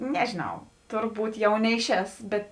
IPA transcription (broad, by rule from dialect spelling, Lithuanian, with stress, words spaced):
ˈnʲæːʒʲeːˌnɐʊ ˈtʊrˌbuːt ˈjɛʊ ˈnʲɛɪˌʃʲɛːs ˈbʲɛt